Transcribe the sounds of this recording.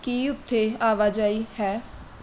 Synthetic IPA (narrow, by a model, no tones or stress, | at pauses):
kiːʊt̪ʰːeːaːʋaːd͡ʒaːiːhɛː